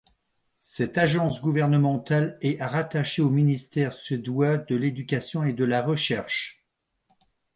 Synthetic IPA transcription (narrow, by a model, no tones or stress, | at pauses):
sɛt̪aʒɑ̃sɡuvɛʁnəmɑ̃t̪alɛaʁat̪aʃeominist̪ɛʁsəd̪wad̪əled̪ykʲasjɔ̃ed̪əlaʁəʃɛʁʃ